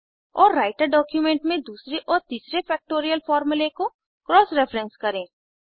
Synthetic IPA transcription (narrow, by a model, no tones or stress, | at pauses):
ɔːɾːaːɪʈəɾɖɔːkjumẽːɳʈmẽd̪uːsɾeʔɔːɾt̪iːsɾefɛːk̚ʈoːɾijəlfɔːɾmuleko | kɾɔːsɾɛfʰɾɛ̃nskɐɾẽː